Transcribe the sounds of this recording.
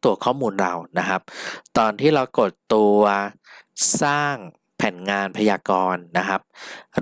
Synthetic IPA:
t̪u˧ɐkʰɔː˥˩muː˧nɾa˧wna˦˥kʰa˦˥p̚t̪ɔː˧nt̪ʰiː˥˩ɾa˧wko˨˩t̪ːu˧ɐ | saː˥˩ŋ | pʰɛː˩˦nŋaː˧npʰa˧jaː˧kɔː˧nːa˦˥kʰa˦˥p̚

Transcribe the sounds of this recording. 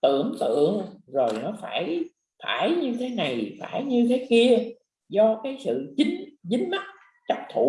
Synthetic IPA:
t̪ɨ̰˧˨əŋt̪ɨ̰˧˨əŋzo˨˩jnɔ˨˦faː˧˩j | faː˧˩jɲɨ˧t̪ʰe˨˦na˨˩jfaː˧˩jɲɨ˧t̪ʰe˨˦ki˧ə | zɔ˧kaː˨˦jsɨ̰˧˨t͡ɕï˨˦ŋ̟zï˨˦ŋ̟ma˦˥t̚ | t͡ɕa˦˥p̚t̪ʰu˧˩

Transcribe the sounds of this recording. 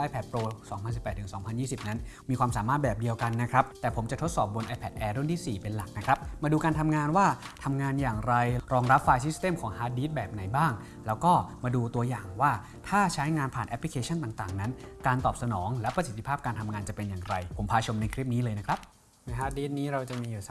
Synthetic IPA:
ʔaː˧jpʰɛ˨˩t̪̚pɾoː˧sɔː˩˦ŋpʰa˧ns̬i˨˩pːɛː˨˩t̪ʰːɯ˩˦sɔː˩˦ŋpʰa˧njiː˥˩si˨˩p̚na˦˥nmiː˧kwaː˧msaː˩˦maː˥˩t̪̚bɛː˨˩p̚di˧əwka˧nːa˦˥kʰɾa˦˥p̚t̪ɛː˨˩pʰo˩˦mt͡ɕa˨˩t̪ʰo˦˥t̪̚sɔː˨˩p̚bo˧nʔaː˧pʰɛ˨˩t̪̚ʔɛː˧ɾu˥˨nt̪ʰiː˥˩siː˨˩pe˧nla˨˩k̚na˦˥kʰɾa˦˥p̚maː˧duː˧kaː˧nt̪ʰa˧mŋaː˧nwaː˥˩t̪ʰa˧mŋaː˧njaː˨˩ŋɾa˧jɾɔː˧ŋɾa˦˥p̚faː˧jsi˦˥st̪eː˥˩mkʰɔː˩˦ŋhaː˦˥t̪̚diː˦˥t̪̚bɛː˨˩p̚na˩˦jbaː˥˩ŋ | lɛː˦˥wkɔː˥˩maː˧duː˧t̪u˧ɐjaː˨˩ŋwaː˥˩ | t̪ʰaː˥˩t͡ɕʰa˦˥jŋaː˧npʰaː˨˩nʔɛ˦˥pʰli˧kʰeː˧t͡ɕʰa˥˩nt̪aː˨˩ŋt̪aː˨˩ŋna˦˥nkaː˧nt̪ɔː˨˩p̚sa˧nɔː˩˦ŋlɛ˦˥pɾa˧si˨˩t̪ʰːi˧pʰaː˥˩p̚kaː˧nt̪ʰa˧mŋaː˧nt͡ɕa˨˩pe˧njaː˨˩ŋɾa˧jpʰo˩˦mpʰaː˧t͡ɕʰo˧mna˧jkʰɾi˦˥p̚niː˦˥lɤː˧jna˦˥kʰɾa˦˥p̚ | ma˦˥˩ɦaː˦˥t̪̚diː˦˥t̪̚niː˦˥ɾa˧wt͡ɕa˨˩miː˧juː˨˩sa˨

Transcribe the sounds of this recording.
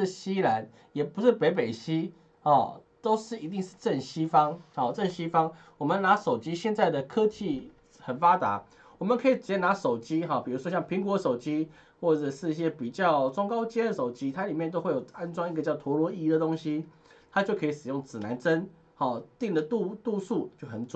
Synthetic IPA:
ɕi˥la˧˦n | jɛ˨˩pu˧˦ʂɻ̩˥˩pe˧˥ɪp̬e˨˩ɪɕi˦˥ | ɔ˥˨˩t̪o˥ʊʂɻ̩˥˩i˧˥t̪̬i˥˧ŋʂɻ̩˥˧ʈ͡ʂə˥˩nɕi˥fɑ˥ŋɔ˥˩ʈ͡ʂə˥˨nɕi˥fɑ˥ŋ | wɔ˨˩mə˨na˧˥ʂo˨˩ʊt͡ɕi˥ɕjɛ˥˧nt͡sa˥˩ɪd̪ə˩kʰɤ˥t͡ɕʰi˥˩ | xə˨˩nfa˥t̪a̰˧˥ | wɔ˨˩mə˨˦nkʰɤ˧˥i˨˩t͡ɕna˧˥ʂo˨˩ʊt͡ɕi˥ɦɔ˥˩pi˨˩ɻu˧˥ʂwɔ˥ɕjɑ˥˩ŋpʰi˧˥ŋkwɔ˧˦ʂo˨˩ʊt͡ɕi˦˥ | xwɔ˥˩ʈ͡ʂə˨˩ʂɻ̩˥˧i˥˩ɕ̬jɛ˥pi˨˩t͡ɕjɑ˥˩ʊʈ͡ʂwŋkɑ˥ʊt͡ɕjɛ˥d̪ə˨ʂo˨˩ʊt͡ɕi˦˥t̪ʰa˥li˨˩mjɛ˥˨nt̪o˥ʊxwe˥˩ɪjo˨˩ʊa˥nʈ͡ʂwɑ˥ŋi˥˧ɡə˧t͡ɕjɑ˥˩ʊt̪ʰwɔ˧˥lwɔ˧˥i˧d̪ə˨t̪o˥ŋɕi˦ | t̪ʰa˥t͡ɕjo˥˩ʊkʰɤ˧˥i˧˩ʂɻ̩˨˩jʊ˥˩ŋt͡sɹ̩˨˩na˧˥nt͡sə˦n | xɔ˥˩t̪i˥˩ŋd̪ə˨t̪u˥˧t̪u˥˧su˥˩t͡ɕjo˥˩ʊxə˨˩nt͡sw

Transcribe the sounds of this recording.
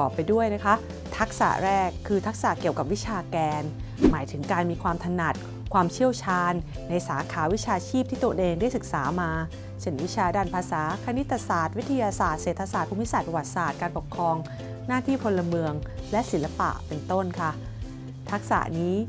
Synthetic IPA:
ɔː˨˩pːa˧jdu˥˩əjna˦˥kʰa˦˥ | t̪ʰa˦˥k̚sa̰˨˩ʔɾɛː˥˩kʰːɯː˧t̪ʰa˦˥k̚sa̰˨˩ki˨˩əwka˨˩p̚wi˦˥t͡ɕʰaː˧kɛː˧n | maː˩˦jt̪ʰɯ˩˦ŋkaː˧nmiː˧kʰwaː˧mt̪ʰa˧na˨˩t̪̚ | kʰwaː˧mt͡ɕʰi˥˩əwt͡ɕʰaː˧nː | a˧jsaː˩˦kʰaː˩˦wi˦˥t͡ɕʰaː˧t͡ɕʰiː˥˩p̪̚ʰiː˥˩u˧əʔeː˧ŋda˥˩jsɯ˨˩k̚saː˩˦maː˧ | se˥˩nwi˦˥t͡ɕʰaː˧˩daː˥˩npʰaː˧saː˩˦kʰa˧ni˦˥t̪ʰːa˧saː˨˩t̪̚wi˦˥t̪ʰːa˧jaː˧saː˨˩t̪̚se˨˩t̪ʰːa˧saː˨˩t̪̚pʰuː˧mi˦˥saː˨˩t̪̚pɾa˧wa˨˩t̪̚saː˨˩t̪̚kaː˧npo˨˩kʰɾɔː˧ŋ | naː˥˩t̪ʰiː˥˩pʰo˧lːa˧mɯ˧əŋlɛ˦˥ʔsi˩˦nla˧pa̰˨˩ʔpe˧nt̪o˥˩nkʰa˥˩ | t̪ʰa˦˥k̚sa̰˨˩ʔniː˦˥

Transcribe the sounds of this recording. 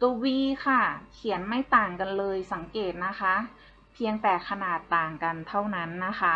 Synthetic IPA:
t̪uː˧wiː˧kʰa˥˩kʰi˨˩˦ənma˥˩jt̪aː˨˩ŋka˧nlɤː˧jsa˩˦ŋkeː˨˩t̪̚na˦˥kʰa˦˥ | pʰi˧əŋt̪ɛː˨˩kʰa˧naː˨˩t̪ːaː˨˩ŋka˧nt̪ʰa˥˩wna˦˥nːa˦˥kʰa˦˥

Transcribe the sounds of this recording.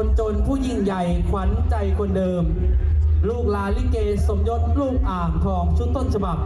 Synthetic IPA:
o˧nt͡ɕo˧npʰuː˥˩ji˥˩ŋja˨˩jkʰwa˩˦nt͡ɕa˧jkʰo˧ndɤː˧m | luː˥˩k̚laː˨˦˥nli˥˩keː˧so˩˦mjo˦˥t̪̚luː˥˩k̚ʔaː˨˩ŋkʰɔː˩˦ŋt͡ɕʰu˧˥˩nt̪o˥˩nt͡ɕʰa˧ba˨˩p̚

